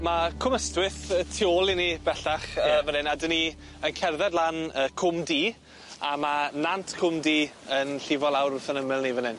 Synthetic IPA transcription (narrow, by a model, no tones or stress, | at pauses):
makʰʊməstwɪθtʰioːlˠinib̥ɛɬaχəːvənɪnadəni | ənkʰɛrðɛdlˠanəːkʰʊmdiː | amanantʰkʰʊmdiː | ənɬɪvɔlˠawɾʊθənəmɪlˠnivənɪn